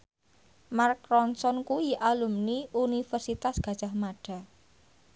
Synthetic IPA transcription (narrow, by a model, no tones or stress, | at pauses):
markɾɔnsɔnkuiʔalumniunifərsit̪asɡ̥a̤̥ʒ̥a̤hmaɖ̥a̤